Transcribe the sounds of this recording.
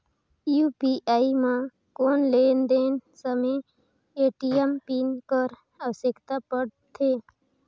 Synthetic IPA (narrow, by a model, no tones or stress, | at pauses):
jupiːʔaːimã | koːnleːnd̪eːnsəme | eːʈiempinkəɾ | əʋsɪkt̪apəɽt̪ʰeː